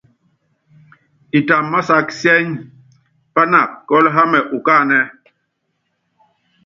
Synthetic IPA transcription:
i˨ta˨mːa˦sa˦ksjɛ˦ɲ | pa˦na˨kːɔ˦lɦa˦mɛ˨ʔu˨kaː˦˨nɛ˦

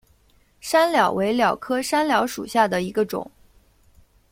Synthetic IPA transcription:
ʂa˥nljɑ˨˩ʊwʔe˧˥ɪljɑ˨˩ʊkʰɤ˥ʂa˥nljɑ˧˥ʊʂṵ˨˩ɕja˥˩d̪ə˩i˧˥ɡə˧ʈ͡ʂʊ̰˨˩˦ŋ

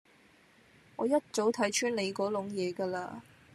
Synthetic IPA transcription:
ŋɔː˨˧jɐ˥t̚t͡so˨˥wt̪ʰɐ˨˥jt͡ʃʰyː˥nle˨˧jkɔː˨˥lʊ˨˧˥ŋjɛː˨˧ɡaː˧la̰ː˧

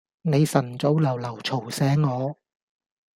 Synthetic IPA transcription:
ne˨˧jsɐ˨˩nt͡so˨˥wlɐ˨˩wlɐ˨˩wt͡sʰo˨˩wsɛː˨˧˥ŋːɔː˨˧

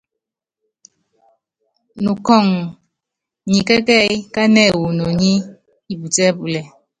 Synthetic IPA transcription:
nu˨kɔ˦˨ŋ | ɲi˨kɛ˦kɛ˦˨jka˦nɛ˦˨wu˨no˨ɲi˦ | i˨bu˨tɛ˦bu˨lɛ˨

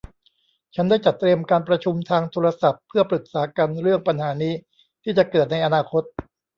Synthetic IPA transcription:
t͡ɕʰa˦˥ndaː˥˩jt͡ɕa˨˩t̪ːɾi˧əmkaː˧npɾa˧t͡ɕʰu˧mt̪ʰaː˧ŋt̪ʰoː˧ɾa˧sa˨˩pʰːɯ˥˩ɐpɾɯ˨˩k̚saː˩˦ka˧nɾɯ˥˩əŋpa˧nɦaː˩˦niː˦˥ | t̪ʰiː˥˩t͡ɕa˨˩kɤː˨˩t̪̚na˧jʔa˧naː˧kʰo˦˥t̪̚

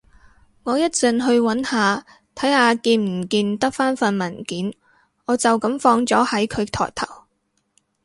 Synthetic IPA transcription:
ŋɔː˨˧jɐ˥t̚t͡sɵ˨˧nɦɵ˧ɥwɐ˨˥nhaː˨˧ | t̪ʰɐ˨˥jhaː˨˧kiː˧nm̩˨˩kiː˧nt̪ɐ˥k̚faː˥nfɐ˧nmɐ˨˩nkiː˨˥n | ŋɔː˨˧t͡sɐ˨wkɐ˨˥mfɔː˧ŋt͡sɔː˨˥hɐ˨˥jkʰɵ˨˧ɥt̪ʰɔ̰ː˨˩jt̪ʰɐ̰˨˩w

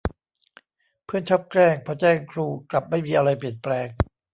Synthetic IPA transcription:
pʰɯ˥˩ənt͡ɕʰa˦˥˩p̚kɾɛː˥˩ŋpʰɔː˧t͡ɕɛː˥˩ŋkʰɾuː˧˩kla˨˩p̚ma˥˩jmiː˧ʔa˧ɾa˧jpli˨˩ənplɛː˧ŋ

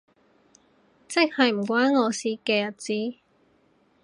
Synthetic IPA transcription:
t͡sɪ˥k̚hɐ˨jm̩˨˩kʷwaː˥nŋɔː˨˧siː˧˥kɛː˧jɐ˨t̚t͡siː˥

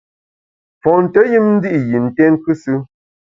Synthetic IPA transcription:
fɔ˨n̩˨tə˨˦ji˦mn̩˦di˦ʔji˨n̩˨tɛ˦ŋ˦kʉ˦sɨ˦

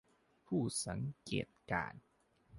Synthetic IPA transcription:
pʰuː˥˩sa˩˦ŋkḛː˨˩t̪̚ka̰ː˨˩n

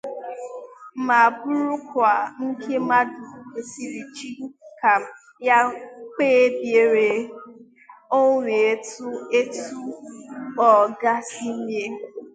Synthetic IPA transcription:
ma˨bʊ˦ɾu˦kʷa˨ŋ̩˦ke˦ma˦du˨e˨si˨ɾi˨t͡ʃi˦ka˨ | ja˦k͡peː˦bje˨ɾe˨ | o˦ɾe˨e˦tu˦e˦tu˦ | ɔ˨ɡa˦si˦lje˦

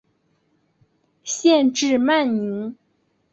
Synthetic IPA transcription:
ɕjɛ˥˧nʈ͡ʂɻ̩˥˧ma˥˩nni˧˥n

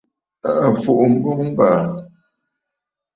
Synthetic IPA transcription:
a˨a˨fu˨ʔm̩˦bo˦ŋm̩˦ba˨

